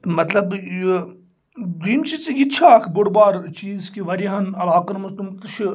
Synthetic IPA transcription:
mɐt̪lɐbj | d̪iːmt͡ʃit͡sjit͡ʃʰaːkʰbʊɽbaːɾt͡ʃiːzkiʋɐɾiɦɐnɐlaːqɐnmɐst̪umt̪ɨʃʰ

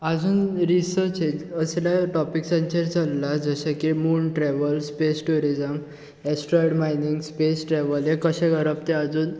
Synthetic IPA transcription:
ad͡zuːnɾisəɾt͡ɕed͡ʑəsljaʈɔpiksə̃nt͡ɕəɾt͡salːad͡zəɕakimuːɳʈɾɛʋəlspesʈuɾid͡zəm | esʈɾɔjɽmajniŋɡspesʈɾɛʋəljakəɕɛ̃ɡʱəɾəp̚t̪ead͡zuːn

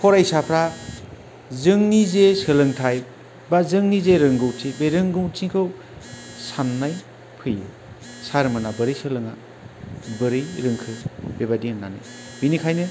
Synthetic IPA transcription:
pʰɔɾajsapʰɾa | zɯŋnizesɯlɯŋtʰaj | bazɯŋnizeɾɯŋɡɯwtʰibeɾɯŋɡɯwtʰiŋkʰɯw | sanːaj | pʰɯjɯ | saɾɯmɯnabɯɾɯjsɯlɯŋa̰ | bɯɾɯjɾɯŋkʰɯbebadiŋanːanɯ̰ | binikʰajnɯ

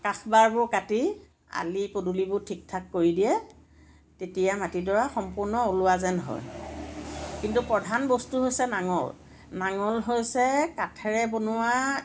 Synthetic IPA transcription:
kaxbaɹbʊɹkati | a̰lipodulibʊɹtʰik̚tʰakːoɹidijɛ | tetijamatidɔɹaxɔmpʊɹnɔolʊazɛnɦɔ̰j | kintupɹɔdʱanbɔstuɦojsɛnaŋɔ̰l | naŋɔlɦojsɛkatʰɛɹɛbonʊa

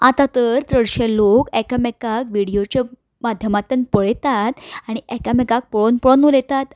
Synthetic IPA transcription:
at̪at̪əɾt̪ɾəɽɕelokɛkamekakʋiɽijot͡ɕa | mad̪ʱjəmat̪ənpəɭt̪at̪aɽ̃iʔɛkamekak̚pəɭonpəɭonulet̪at̪

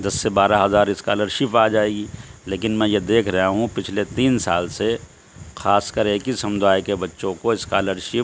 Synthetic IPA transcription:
d̪ɐsːebaːɾaɦɐzaːɾɪska̰ːləɾʃɪpaːd͡ʒaːeːɡiːleːkɪnmɛ̃jed̪eːkʰɾɐɦaɦũpɪt͡ʃʰlet̪iːnsaːlse | xaːskəɾeːkisɐmd̪ʱaːjkebɐtːʃõkoɪskaːləɾʃɪp

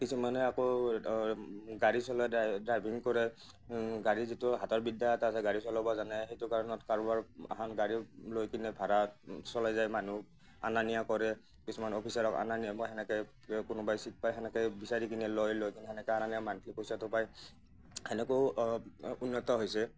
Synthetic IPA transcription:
kisumanɛako | ɡaɹisɔlɔdɹajbʱiŋkɔɹɛ | ɡaɹizitʊɦatɔɹbidaatasɛɡaɹisɔlɔbɔzanɛxejtʊkaɹɔnɔtkaɹubaɹa̰ɦanɡaɹilojkinɛbʱaɹasɔlajzajmanu | a̰nanijakɔɹɛ | kisumanɔpʰisaɹɔka̰naniaɦɛnɛkɛj | kʊnʊbajsit̚pajɦɛnɛkɔjbisaɹikinilojlojkiniɦɛnɛkɔananiamankʰlikosatɔpaj | hɛnɛko | unːɔtɔɦojsɛ

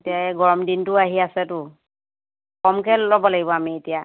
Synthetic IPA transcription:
etijaɛɡɔɹɔmdintʊaɦiasɛtʊ | kɔmkɛlɔbɔlaɡibɔamietija

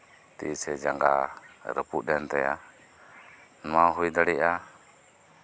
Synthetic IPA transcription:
t̪isɛd͡ʒaŋɡa̰ɾə̰pudɛnt̪ɛja̰ | nmaɦujd̪aɽiʔa

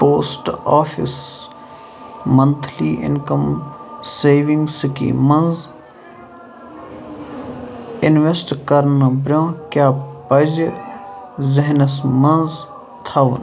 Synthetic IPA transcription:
poːsʈaːfʰḭs | mɐnt̪ʰliːʔɪ̰nkəmseːʋiŋɡskḭmɐnz | ɪnʋesʈkɐɾnəbɾʲjõːkjaːpɐd͡ʒ | zɐɦnɐsmɐnz | t̪ʰaʋn

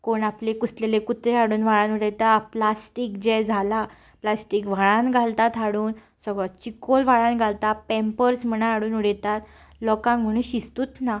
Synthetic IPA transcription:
koɳaplekuslelekut̪ɾeɦaɽuːnʋ̤aɭãnuɽɛt̪aplasʈikd͡ʑɛd͡zʱala | plasʈikʋ̤aɭãnɡʱalt̪at̪ɦaɽuːn | səɡɭɔt͡ɕikolʋ̤aɭãnɡʱalt̪apɛmpəɾsm̤ənaɦaɽuːnuɽet̪at̪ | lɔkãŋm̤əɽ̃ũːnɕist̪uːt̪na

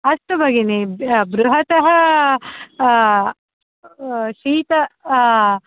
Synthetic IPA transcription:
ɐst̪ubɐɡinebɾuɦɐt̪ɐɦɐ | ʃiːt̪ɐ

